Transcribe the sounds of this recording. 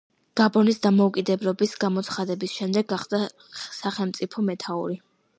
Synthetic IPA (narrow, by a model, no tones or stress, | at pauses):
ɡ̥abɔnisd̪amɔukʼid̪ɛblɔbisɡamɔt̪sʰχad̪ɛbisʃɛmd̪ɛɡːaχd̪a | saχɛlˠmt̪sʼipʰɔmɛt̪ʰaṵɾi